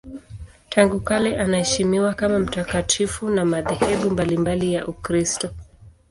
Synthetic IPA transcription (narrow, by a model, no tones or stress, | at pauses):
tʰaŋɡukalɛʔanahɛʃimiwakamam̩takatʰifunamaðɛhɛɓumbalimbalijaʔukɾistɔ